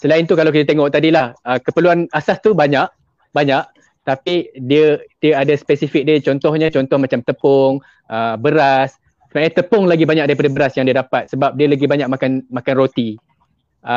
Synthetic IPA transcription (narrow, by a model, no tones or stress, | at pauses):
səlaɪnt̪ukalawk̬it̪ət̪eŋɔʔ̚t̪adilahəkəpəluanasast̪ubaɲaʔ̚ | baɲaʔ | t̪apidiədiəadaspɛsifik̚dət͡ʃɔnt̪ɔhɲat͡ʃɔnt̪ɔhmat͡ʃamt̪əpɔŋ | ʔəbəɾas | səbaʔɲat̪əpʊŋlaɡibaɲak̚daɾipadabəɾasjaŋdiədapat̪̚səbap̚diəlaɡibaɲaʔ̚makanmakanrot̪i | ə